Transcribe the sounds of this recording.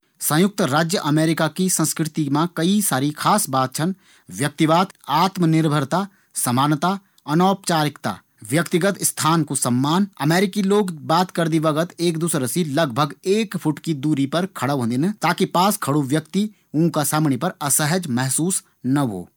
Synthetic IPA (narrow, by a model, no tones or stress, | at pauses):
sə̃jʊk̚t̪ɾaːd͡ʒjəʔɐmeːɾɪkakisə̃nskɾɪt̪imãkɐisaːɾikʰaːsbaːt̪̚t͡ʃʰən | ʋjək̚t̪ibaːt̪aːt̪mənɪɾbʱəɾt̪a | sɐmaːnt̪a | ɐnaːpt͡ʃaːɾɪkt̪a̰ː | ʋjɐkt̪ɪɡət̪st̪ʰaːnkosɐmːaːnɐmeːɾɪkiloːɡbaːt̪kɐɾd̪ibɐɡət̪eːk̚d̪uːsɾəsilɐɡbʱəɡeːkpʰʊʈkid̪uːɾipɐɾkʰɐɽəɦõːnd̪ɪnt̪aːkipaːskʰɐɽuʋjəkt̪i | ũːkasaːmɳipɐɾɐsəɦəd͡ʒmɛɦsuːs | nɐɦo̰ː